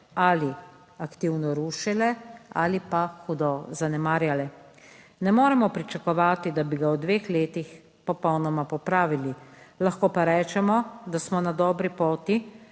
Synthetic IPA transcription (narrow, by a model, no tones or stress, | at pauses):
aːli | akt̪iwnɔɾuːʃɛlɛaːlipaxud̪ɔzanɛmaːɾjalɛ | nɛmoːɾɛmɔpɾit͡ʃakɔʋaːt̪id̪abiɡawd̪ʋeːxleːt̪ix | pɔpɔwnɔmapɔpɾaːʋililaxkoːpaɾɛːt͡ʃɛmɔd̪asmɔnad̪ɔːbɾipoːt̪i